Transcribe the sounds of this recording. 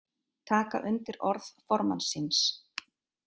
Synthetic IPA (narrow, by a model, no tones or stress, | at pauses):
t̪ʰaːka̰ʔʏnt̪ɪɾɔɾðfɔɾma̰nsɪns